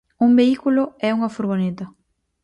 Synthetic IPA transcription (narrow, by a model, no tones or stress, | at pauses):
umbeikulʊɛuŋɐfuɾɣ̞onet̪ɐ